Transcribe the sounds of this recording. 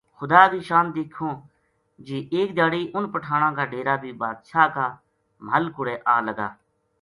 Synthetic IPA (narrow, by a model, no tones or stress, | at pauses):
xʊd̪aːbʱiːʃaːmd̪eːkʰõː | d͡ʒiːʔeːk̚d̪jaːɽiːʔʊnpəʈʰaːɽ̃ãːkaːɖeːɾaːbʱiːbaːd̪ʃaːkaː | məlkʊɽeːʔaːləɡa̰ː